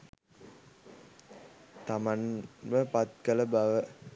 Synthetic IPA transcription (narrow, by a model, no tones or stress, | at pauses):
t̪amanməpat̪̚kələbaʋə